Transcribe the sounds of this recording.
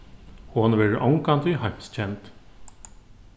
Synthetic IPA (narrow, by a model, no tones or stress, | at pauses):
hʊnʋɛːɹɪʔɔwŋkant̪ʏhajm̥st͡ɕʰɛnt̪